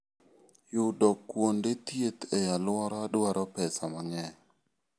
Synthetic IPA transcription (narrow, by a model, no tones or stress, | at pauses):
jʊdɔkːwondet̪jet̪ɛjalwɔɾɔadwaɾɔpɛsamaŋɛ